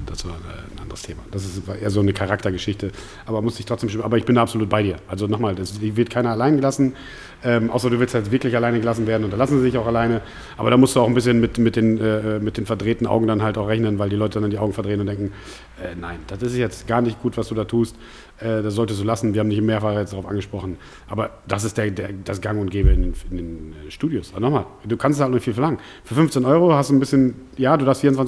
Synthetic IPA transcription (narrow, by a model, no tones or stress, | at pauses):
d̥asv̥aːɐɛ̰ːnʔa̰ndəʁəstʰeːmad̥as̬ɪsvaʔeːɐzoːnəkʰaʁaktɐɡəʃɪçtə | ʔaːbɐmʊsd̥ɪçtʰʁ̥ɔt͡sd̥eːmʃmʔaːbɐɪçb̥ɪndaːapzoluːt̚b̥aɪɾiːɐʔalzonɔχmaːldasɪvɪɐtkʰaɪnɐalaɪnəɡəlasn̩ | ʔɛːmʔa̰ʊsɐduːvɪlsthatv̥ɪɐklɪçalaɪnəɡəlas̬n̩veːɐdn̩ʊntd̥alasn̩zizɪçaʊxalaɪnə | ʔaːbɐɾaːmʊstd̥uːaʊn̩bɪsçənmɪtmɪt̚d̥eːnʔɛːɛːmɪt̚d̥eːnfɛɐdʁeːtn̩ʔa̰ʊɡŋ̩danɦaltaʊxʁɛçnənvaɪldilɔʏtədandandiʔaʊɡŋ̩fɛɐdʁeːnʊntdɛŋkŋ̩ | ʔɛːnaɪnd̥asɪsjɛt͡stɡ̥aːɐnɪçt̚ɡ̥uːtv̥asd̥uːdaːtʰuːst | ʔɛːdas̬z̥ɔltəstd̥uːlasn̩viɐhaːmnɪçtɪmːeːɐfaːʁəjɛt͡sdaʁaʊfʔa̰nŋɡəʃpʁ̥ɔχn̩ | ʔa̰ːbɐ | d̥as̬ɪstd̥eːɐdeːɐdasɡ̥aŋʊntɡ̥eːbəɪndnɪndeːnɛʃtuːdjʊsʔabɐnɔχmaːld̥uːkʰanstsaltnɔnɪçfiːlfɛɐlaŋən | fyːɐfʏnft͡senʔɔʏʁohastd̥uːnbɪsçən | jaːduːdaːɐfstfiːɐʊnt͡svan